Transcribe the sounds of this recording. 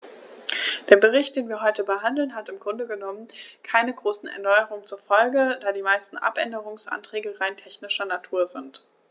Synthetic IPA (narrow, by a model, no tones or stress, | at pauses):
d̥eːɐbəʁ̞ɪçt̚d̥eːnviːɐɦɔʏtəbəɦandl̩nɦatɪmɡʁʊndəɡənɔmənkʰaɪnəɡʁoːsn̩ɛ̰ɐnɔʏəʁ̞ʊŋənt͡suːɐfɔlɡəd̥aːdiːmaɪstn̩ʔa̰pʔɛ̰ndəʁ̞ʊŋsʔa̰ntʁ̥ɛːɡəʁaɪntʰɛçnɪʃɐnatʰuːɐzɪnt